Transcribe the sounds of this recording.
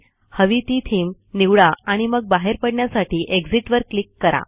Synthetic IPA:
həʋit̪iːt̪ʰiːm | niʋɭaaɽ̃iməɡ̚baɦeɾpəɽɳjasaʈʰiːʔeɡd͡ziʈʋəɾklikːəɾa̰

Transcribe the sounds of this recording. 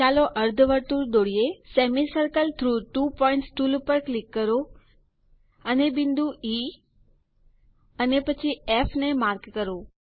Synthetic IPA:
aːloʔɐɾd̪ʱʋəɾt̪uɾɗ̪oːɽijeseːmisəɾkəlt̪ʰɾuːʈuːpɔːɪ̃ɳʈsʈuːlpəɾklɪkːəɾo | ɐnebɪ̃nd̪ʱuiː | ɐnepɐt͡ʃʰieːfʰnẽmaːɾkːɐɾoː

